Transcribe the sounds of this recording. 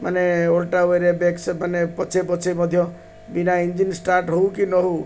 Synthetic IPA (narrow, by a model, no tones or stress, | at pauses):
ma̰neolʈaweɾebeksmanepɔt͡ʃʰep̬ɔt͡sʰemɔd̪ʱjɔ | binaind͡ʒinsʈaɾʈɦɔukinɔɦu